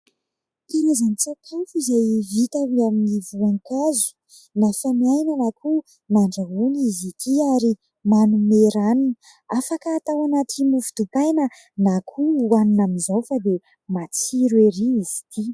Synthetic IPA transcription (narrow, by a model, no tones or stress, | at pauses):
t̪iɾazanit͡sakʰafuizajvit̪aviaminivuaŋkazu̥ | nafamiajnanakʰu | naɳɖ͡ʐaɦunizit̪ʰiaɾi | manumeɾanin | afakəːt̪awanat̪imufi̥d̪ut̪ajnə | nakʰuwaninaminzowfad̪e | mat͡siɾweɾiizi̥t̪i